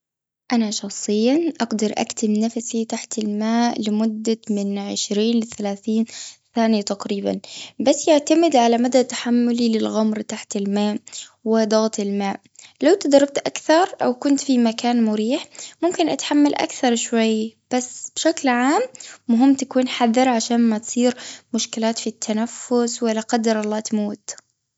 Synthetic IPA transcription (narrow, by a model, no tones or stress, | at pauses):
ʔanaʃɑxsˤɨjːaʔɑɡd̪ɑɾˤʔa̰kt̪ɪmnafsit̪aħt̪ɪlmaːʔlɪmʊd̪ːamɪnʕɪʃɾiːnlɪθalaːθiːnθaːnɪjat̪aqɾiːba̰nbasːjaʕt̪amɪd̪ʕalamad̪at̪aħamːʊlilɪlɣamɾt̪aħt̪ɪlmaːʔwɪd̪ɑɣt̪ɪlmaːʔ | lawt̪ɪd̪ɑɾˤːɑb̚t̪ʔakθɑɾˤʔawkʊnt̪fimakaːnmʊɾiːħmʊmkɪnʔat̪ħamːalʔa̰kθɑɾˤʃwajːb̥asːb̥ɪʃaklʕaːmːʊɦɪmːt̪akuːnħaðːɪɾˤʕaʃaːnmat̪sˤiːɾmʊʃkɪlaːt̪fit̪ʰːanafːʊswalːaqɑd̪ːɑɾˤʔɑlˤːɑːt̪amuːt̪